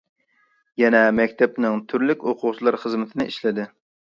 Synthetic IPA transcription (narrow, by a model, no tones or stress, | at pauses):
jɛnɛmɛkʲt̪ʰɛpnɪŋt̪ʰyɾlykʲoqʰʊʁt͡ʃʰilˠɑɾχəzmɪt̪ʰɪnɪʔiʃlɪd̪ɪ